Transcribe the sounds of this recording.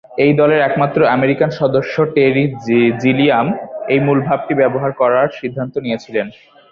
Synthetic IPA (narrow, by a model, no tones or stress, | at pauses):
ejd̪ɔleɾɛkmat̪ːɾoameɾikanʃɔd̪oʃːoʈeɾid͡ʑiliamejmulbʱab̚ʈibɛboɦaɾkɔɾaɾʃid̪ʱːant̪onijet͡ɕʰilen